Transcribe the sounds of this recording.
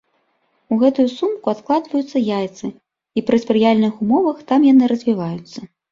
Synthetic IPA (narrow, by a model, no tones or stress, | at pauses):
uɣɛt̪ujusumkuat̪klˠad̪vɐjut̪sːɐjajt̪sɨ | ipɾɨsʲpɾɨjalʲnɨxumɔvɐxt̪amjanɨɾɐzʲvʲivajut̪sːɐ